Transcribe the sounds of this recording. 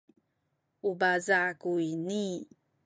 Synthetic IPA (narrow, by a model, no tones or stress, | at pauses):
ubazakuini